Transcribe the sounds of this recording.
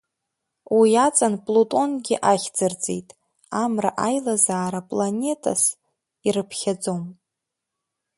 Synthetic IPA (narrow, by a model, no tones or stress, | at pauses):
wiat͡sʼanpʼlotʼo̞nɡʲɪʔaχʲd͡zɨrd͡zʼḛjtʼ | amraʔajlazaːɾapʼlanʲe̞tʰʼa̰s | irɨpʰχʲad͡zo̞m